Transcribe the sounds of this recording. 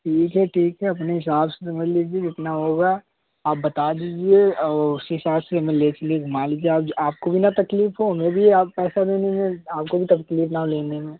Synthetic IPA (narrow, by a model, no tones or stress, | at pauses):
ʈʰiːkɦɛʈʰiːkɦɛɐpneɦɪsaːbsesɐməd͡ʒʱliːd͡ʒied͡ʒɪt̪naɦoːɡaː | aːp̚bɐt̪ad̪iːd͡ʒieɔʊseɦɪsaːbseɐmẽlet͡ʃɐlieɡʱʊmaːliːd͡ʒieaːpaːp̚kobʱinɐt̪ɐkliːfɦoɦɐmẽbʱiaːppɛːsad̪eːnemẽaːp̚kobʱit̪ɐfkliːfnaɦoleːnemẽ